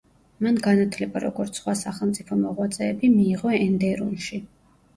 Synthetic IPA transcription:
manɡanat̪ʰlɛbaɾɔ̰ɡɔɾt̪sʰχwasaχɛlˠmt̪sʼipʰɔmɔʁwat̪sʼɛːbimiːʁɔɛnd̪ɛɾunʃi

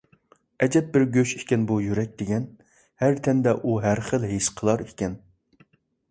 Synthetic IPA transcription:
ɛd͡ʒɛp̚bɪɾɡʲøʃi̥kʲɛnbujyɾɛk̚ʲd̪eɡʲɛn | hæɾt̪ʰɛnd̪ɛʔuɦæɾχəlˠɦeʃqʰəlˠɑɾekʲɛn

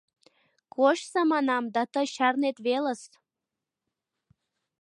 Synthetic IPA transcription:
koʃsɑmɑnɑmd̪ɑt̪əɕɑrnet̪βelə̆s

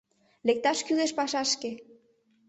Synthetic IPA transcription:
lek̚t̪ɑʃkyleʃpɑʃɑʃke

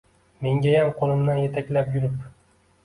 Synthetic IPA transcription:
me̞ŋɡʲajamqʰolˠɪmd̪anjet̪ʰakʲlapjʊɾɪp

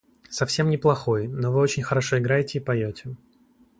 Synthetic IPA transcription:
sɐfsʲe̞mnʲɪplˠɐxo̞jnovɨot͡ɕɪnʲxəɾɐʂo̞ɪɡɾajɪtʲɪːpɐjotʲɪ

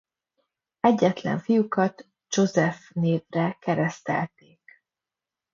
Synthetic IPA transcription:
ɛɟːɛt̪lɛ̰ɱfijukɒt̪ | d͡ʒo̞zɛfneːvrɛkɛɾɛst̪ɛ̰lt̪eːk

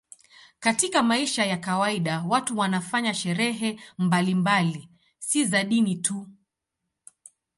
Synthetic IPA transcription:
katikamaiʃajakawaiɗawatuwanafaɲaʃɛɾɛɦɛmbalimbali | sizaɗinitʰu

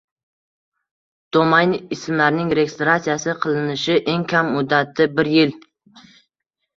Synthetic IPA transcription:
d̪̥omajnɪsɪmlaɾnɪŋɾeɡʲɪst̪ɾat̪sijasɪqʰɨlˠɪnɪʃɪʔe̞ŋkʲʰamːʊd̪ːat̪ʰːɪbɪɾjɪl

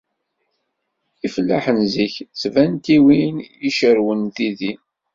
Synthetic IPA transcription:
ifəlːaħənziçt͡svænt̪iwinjiʃəɾwənθiði

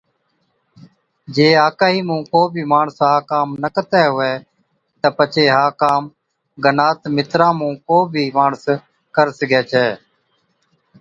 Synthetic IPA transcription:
d͡ʒeːaːkaːɦiːmũːkoːbʱiːmaːɳəsɦaːkaːmnəkət̪ɛːɦʊʋɛː | t̪əpət͡ʃʰeːɦaːkaːm | ɡənaːt̪mɪt̪ɾãːmũːkoːbʱiːmaːɳəs | kəɾsəɡɛːt͡ʃʰɛː

